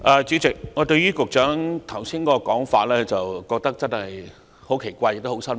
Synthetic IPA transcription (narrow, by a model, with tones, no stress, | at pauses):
ʔɐː˨t͡syː˨˥t͡sɪ˨k̚ŋɔ˨˧t̪ɵ˧ɥyː˥kʊ˨k̚t͡ʃœː˨˥ŋt̪ʰɐ˨˩wsiː˥nkɔː˧˥ɔ˧kɔː˨˥ŋfaː˧t̚lɛː˥t͡sɐ˨wkɔː˧k̚t̪ɐ˥k̚t͡sɐ˥nhɐ˨j | ho˨˥wkʰe˨˩jkʷaː˧jk̚t̪ho˨˥wsɐ˥n